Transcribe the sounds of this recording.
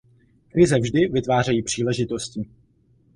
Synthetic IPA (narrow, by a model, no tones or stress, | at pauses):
kɾɪzɛvʒdɪvɪt̪vaːr̝ɛjiːpr̝̥iːlɛʒɪt̪o̞sciː